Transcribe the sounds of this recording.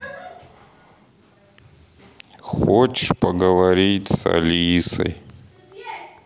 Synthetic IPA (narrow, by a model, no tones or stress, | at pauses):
xot͡ɕɪʂpəɡəvɐɾʲitʲsɐ̰lʲisə̰j